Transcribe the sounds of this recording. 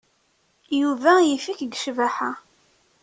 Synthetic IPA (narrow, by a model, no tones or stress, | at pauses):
juvæjifikd̪ʃvæħa